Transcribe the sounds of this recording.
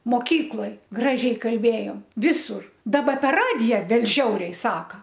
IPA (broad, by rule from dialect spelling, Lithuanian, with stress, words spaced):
moːˈkʲiːklˠoːj ˈɡrɑːʒʲɛɪ kɐlʲˈbʲeːjoːm ˈʋʲɪsʊr ˈdɑːbɐ pʲɛr ˈrɑːdʲɪjɛ ˈbʲɛt ˈʒʲɛʊrʲɛɪ ˈsɑːkɐ